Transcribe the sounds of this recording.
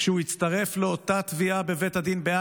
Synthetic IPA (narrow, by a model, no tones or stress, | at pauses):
ʃeuit͡st̪ɐʁe̞fleo̞t̪at̪viabe̞ve̞t̪ad̪inbea